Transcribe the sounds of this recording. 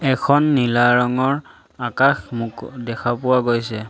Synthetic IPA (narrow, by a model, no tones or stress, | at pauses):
ɛkʰɔnːilaɹɔŋɔɹ | akaxmʊkdɛkʰapʊwaɡojsɛ